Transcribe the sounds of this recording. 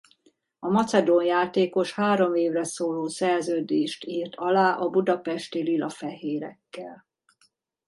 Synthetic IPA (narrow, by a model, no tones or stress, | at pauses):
ɒmɒt̪sɛd̪oːnjaːt̪eːko̞ʃhaːɾo̞meːvrɛsoːloːsɛrzøːd̪eːʃt̪iːrt̪ɒlaːʔɒbud̪ɒpɛʃt̪ililɒfɛɦeːɾɛ̰kːɛl